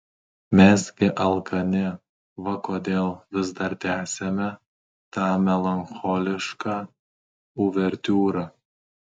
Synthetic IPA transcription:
mʲɛsɡʲɪʔɐlˠkʰɐnʲɪ | ʋɐkoːd̪ʲeːlˠʋʲɪzd̪ɐɾt̪ʲæːsʲemʲɛ | t̪ɑːmʲɛlˠɐnxɔːlʲɪʃkɑː | ʊʋʲɛɾʲt̪ʲuːɾɑ

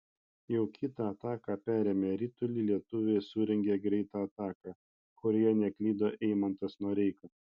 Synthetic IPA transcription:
jɛʊkʲʰɪt̪ɑɐt̪ɑːkɑːpʲæːɾʲeːmʲeɾʲit̪ʊlʲilʲiɛt̪ʊʋʲeɪsʊːɾʲɛŋʲɡʲeɡɾʲɛɪt̪ɑːt̪ɑːkɑː | kʊɾʲojɛnʲɛklʲiːd̪oːʔɛɪmɐnt̪ɐsnuɔɾʲɛɪkɐ

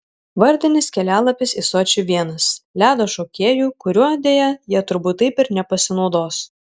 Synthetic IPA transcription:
ʋɐɾʲd̪ʲɪnʲɪskʲɛlʲæːlˠɐpʲɪsisoːt͡ʃʲʊʋʲiɛnɐslʲæːd̪oːʃoːkʲeːjuːkʊɾʲuɔd̪ʲeːjɛjiɛt̪ʊɾbuːt̪ːɐɪpɪɾnʲɛpɐsʲɪnɒʊd̪oːs

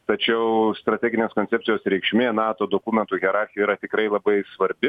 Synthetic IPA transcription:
t̪ɐt͡ʃʲɛʊst̪ɾɐt̪ʲæːɡʲɪnʲeːskoːnʲtsʲɛp̚ʲtsʲɪjoːsɾʲɛɪkʃʲmʲeːnɑːt̪oːd̪oːkumʲɛnt̪uːɣʲɛɾɑːˑɾʲxʲɪjɛiɾɐt̪ʲɪkɾɐɪlˠɐbɐɪsʋɐɾʲbʲɪ

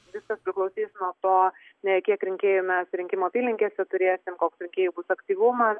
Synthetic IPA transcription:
ʋʲɪskɐspʲɾʲɪklˠɐʊsʲiːsnuɔt̪oːnʲɛkʲiɛkɾʲɪŋʲkʲeːjumʲɛsɾʲɪŋʲkʲɪmoːpʲiːlʲnʲɪŋʲkʲeːsʲɛt̪ʊɾʲeːsʲɪmkoːksɾʲɪŋʲkʲeːjubʊsɐkt̪ʲiːʋʊmɐs

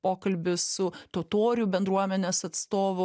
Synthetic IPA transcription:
poːkɐlʲbʲɪsʊt̪ot̪oːɾʲʊbʲɛnd̪ɾuɔmʲɛnʲeːsɐt̪st̪oːʋʊ

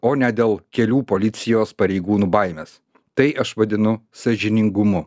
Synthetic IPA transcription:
oːnʲɛd̪ʲeːlˠkʲɛlʲuːpoːlʲɪt̪sʲɪjoːspɐɾʲɛɪɡuːnuːbɐˑɪmʲeːs | t̪ɐɪʔɐʃʋɐd̪ʲɪnʊsɐʒʲɪnʲɪŋɡʊmʊ

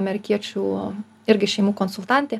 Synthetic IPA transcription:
mʲɛɾʲɪkʲiɛt͡ʃʲuː | ɪɾʲɡʲɪʃʲɛɪmuːkoːnsʊlˠt̪ɑnʲt̪ʲeː

